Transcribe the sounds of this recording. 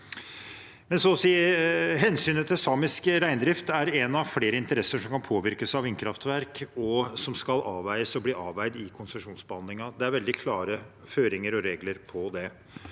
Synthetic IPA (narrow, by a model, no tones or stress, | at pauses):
mɛnsɔsiːəɦɛnsyːnət̪ʰɪlsɑːmɪskɾæɪnd̪ɾɪft̪æɾɛnɑʋfleːɾəɪnt̪əɾɛsːəʂɔmkɑnpʰoːʋɪɾkəsɑʋɪnkʰɾɑft̪ʋæɾkɔsɔmskɑlʔɑːʋæɪəsɔbliːʔɑːʋæɪd̪ɪkʰʊnsəʂuːnsbəhɑnd̪lɪŋɑd̪ɛæɾʋɛld̪ɪkʰlɑːɾə | føːɾɪŋəɾɔɾeːɡləɾpʰɔd̪ɛ